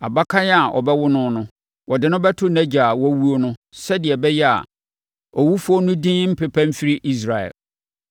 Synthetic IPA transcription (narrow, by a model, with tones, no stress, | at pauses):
a̰˨ba˦kʰã˦ja˨ʔɔ̰˨bɛ˦wʊ˦nʊ̃˦nʊ̃˦ | wʔɔ˨dɪ˨nʊ̃˦bɛ˦tʰʊ˦næ̃˦d͡ʑa˨wɔ˦wu˦o˦nʊ̃˦sɛ˦dɪ˨ɛ˨bɛ˦jɛ˦a̰˨ | ɔ˨wu˦fʊ˦ɔ˦nʊ̃˦dĩ˦m̩˦pɪ˨pʰã˦m̩˦fi˦ɾɪ˦ʔi˦s̬ɾa˨ɛ̰˨l